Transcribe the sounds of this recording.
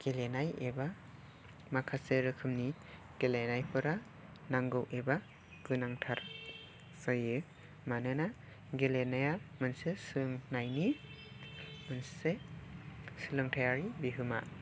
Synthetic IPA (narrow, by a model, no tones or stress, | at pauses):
ɡ̥elenajeba | makʰaseɾɯkʰɯmni | ɡ̥elenajpʰɯɾa | naŋɡɯwʔeba | ɡɯnaŋtʰaɾ | sajɯ | manɯna | ɡelenajamɯnsesɯɯŋnajni | mɯnsse | sɯlɯŋtʰajaɾibiɦɯma